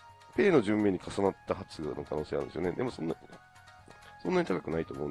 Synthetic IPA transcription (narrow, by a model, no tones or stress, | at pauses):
pe̞ːno̞ʑɨ̃mːʲeːɲ̟ikʰasanat̪ːahat͡sɨɡano̞̰kʰano̞ːse̞ːna̰ɾɯ̰̃nsijoned̪e̞mo̞sõ̞nːa | sõ̞nːaɲ̟it̪akḁkɯ̟nait̪o̞ːmo̞ɯ̃